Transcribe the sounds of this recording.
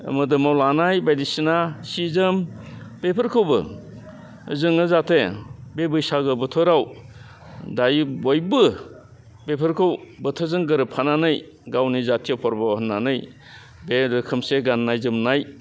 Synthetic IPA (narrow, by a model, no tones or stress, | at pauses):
mɯdɯmawlanajbajdisinasizɯm | b̥epʰɯɾkʰɯwbɯ̰ | zɯŋɯzatʰebebɯjsaɡɯbɯtʰɔɾaw | dajbojbɯ | bepʰɯɾkʰɯwbɯtʰɯzɯŋɡɯɾɯpʰananɯj | ɡawnizatʰijawpʰɔɾbawhɯnːanɯj | bedɯkʰɯmseɡanːajzɯmnaj